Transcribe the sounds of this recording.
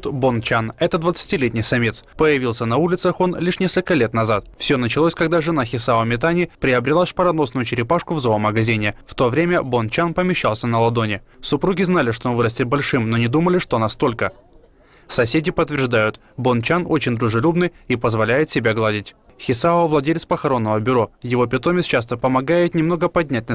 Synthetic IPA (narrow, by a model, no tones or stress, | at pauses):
t̪bont͡ɕanɛt̪əd̪vət̪sɨ̥tʲɪlʲet̪ʲnʲɪjsɐmʲet̪spəjɪvʲilˠsʲənɐulʲɪt̪səxo̞nlʲiʂnʲe̞skəlʲkəlʲe̞t̪nɐzat̪fsʲonət͡ɕɪlˠosʲkɐɡd̪aʐɨnaxʲɪsavəmʲɪt̪anʲɪpɾʲɪɐbɾʲɪlˠaʂpəɾɐno̞snʊjʊt͡ɕɪɾʲɪpaʂkʊvzoəməɡɐzʲinʲɪft̪o̞vɾʲemʲəbont͡ɕanpəmʲɪɕːalˠsʲənəlˠɐd̪o̞nʲɪsʊpɾuɡʲɪznalʲɪʂt̪o̞onvɨɾəsʲtʲɪt̪̚bɐlʲʂɨmno̞nʲɪd̪uməlʲɪʂt̪oɐnast̪o̞lʲkə | sɐsʲedʲɪpət̪ːvʲɪrʐd̪ajʊt̪ | bont͡ɕano̞t͡ɕɪnʲd̪ɾʊʐɨlʲubnɨjipəzvɐlʲæjɪt̪sʲɪbʲaɡlˠadʲɪtʲ | xʲɪsavlˠɐdʲelʲt̪spəxɐɾo̞nːəvəbʲʊɾo̞jɪvo̞pʲɪt̪o̞mʲɪt̪st͡ɕas̬t̪əpəmɐɡajɪt̪nʲɪmno̞ɡəpɐdʲnʲæt̚ʲnə